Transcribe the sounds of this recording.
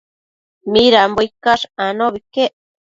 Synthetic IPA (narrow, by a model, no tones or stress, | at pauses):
miɾambojkaʂanoβikeʔ